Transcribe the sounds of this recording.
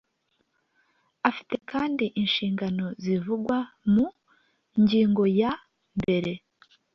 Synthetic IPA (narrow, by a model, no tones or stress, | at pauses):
afi̥te̞kʰaːndiʔinʃiːŋɡano̞zivuɡwamu | ɲɟiːŋɡo̞ja | mbe̞ɾe̞